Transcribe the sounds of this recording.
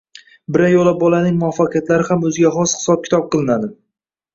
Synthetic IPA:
bɪɾajɒlap̚bɒlanɪŋmʊafːaqʰɨjat̪laɾɪhamɵzɪɡʲaχɒshɪ̥sɒp̚kʲʰɪ̥t̪ʰɒp̚qʰɨlˠɪnad̪ɪ

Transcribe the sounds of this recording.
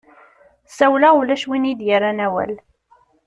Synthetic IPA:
sæwlaulæʃwinid̪jəɾanæwæ̰l

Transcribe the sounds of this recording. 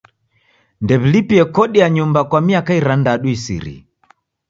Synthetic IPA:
ndɛβilipiɛkɔɗiaɲumbakwamiakaiɾandaɗuisḭɾḭ

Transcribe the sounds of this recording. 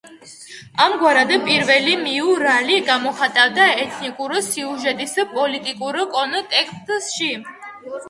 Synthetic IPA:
amɡwaɾad̪ɛpʼiɾvɛlimiuɾaliɡamɔχat̪ʼavd̪aɛt̪ʰnikʼuɾsiuʒɛt̪ʼispʼɔlit̪ʼikʼuɾkʼɔnt̪ʼɛkʰst̪ʼsʃi

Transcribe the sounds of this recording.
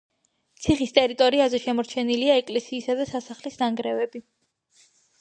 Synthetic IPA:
t̪sʰiχist̪ʼɛɾit̪ʼɔɾiazɛʃɛmɔɾt͡ʃʰɛniliaɛkʼlɛsiːsad̪asasaχlisnaŋɡɾɛvɛbi

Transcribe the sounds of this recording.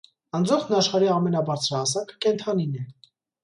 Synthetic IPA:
ɑnd͡zɔχnɑʃχɑɾiɑmɛnɑbɑɾt͡sʰɾɑɑsɑkə̥kɛnt̪ʰɑninɛ

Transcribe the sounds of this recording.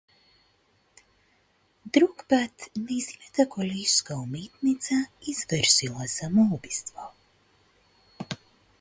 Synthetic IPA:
d̪ɾukbat̪nizinʲat̪akɔlʲiskamiːt̪nit̪saizvɛɾsilˠazamuːbist̪vaw

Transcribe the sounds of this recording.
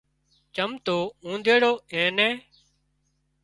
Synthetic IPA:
t͡ʃəmt̪oːũːnd̪eːɽoːẽːnɛ̃ː

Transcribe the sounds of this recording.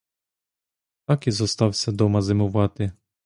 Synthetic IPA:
t̪akʲizɔst̪awʲsɛd̪ɔmazɛmuvat̪ɪ

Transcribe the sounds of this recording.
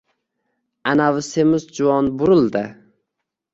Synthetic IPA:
anavɪsemɪzd͡ʒʊɒnbʊɾɪlˠd̪ɪ

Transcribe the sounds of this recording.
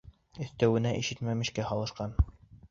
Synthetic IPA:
ɘ̆θt̪æwɘ̆næʔiʃɘt̪mæmɘ̆ʃkæhɑlˠɤ̆ʃqɑn

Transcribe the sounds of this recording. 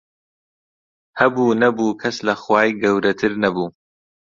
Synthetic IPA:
hɐbuːnɐbuːkʰɐslɐxwaːjɡɐwɾɐt̪ʰɨɾnɐbuː

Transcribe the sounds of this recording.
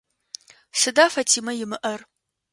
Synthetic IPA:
sɨdaːfɐtʰiːmɐjɪmɨʔɐr

